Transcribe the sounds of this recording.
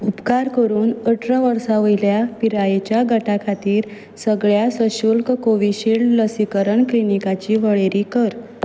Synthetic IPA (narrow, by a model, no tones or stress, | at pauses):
upkaɾkəɾuːnəʈʰɾəʋəɾsaʋəjljapiɾajet͡ɕjaɡʱəʈakʰat̪iːɾ | səɡɭjasəɕulkkoʋiɕilləsikəɾəɳklinikat͡ɕiːʋəɭeɾiːkəɾ